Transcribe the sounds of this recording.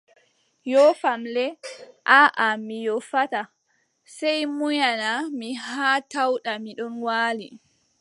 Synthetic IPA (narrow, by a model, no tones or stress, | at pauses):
jɔfamlɛʔaʔamijɔfata | sɛjmujanamiɦaːtawɗamiɗɔnwaːli